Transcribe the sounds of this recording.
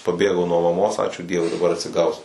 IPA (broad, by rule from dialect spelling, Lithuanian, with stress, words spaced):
pɐˈbʲeːɡɐʊ nuɔ mɐˈmoːs ˈɑːt͡ʃʲuː ˈdʲiɛʋʊɪ dɐˈbɐr ɐtʲsʲɪˈɡɐʊsʲʊ